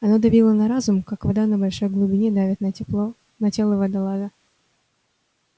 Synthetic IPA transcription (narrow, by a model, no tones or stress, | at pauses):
ɐnod̪ɐbʲilˠənɐɾazʊmkakvɐd̪anəbɐlʲʂo̞jɡlˠʊbʲɪnʲed̪avʲɪt̪nəɪp | nɐtʲelˠəvəd̪ɐlˠazə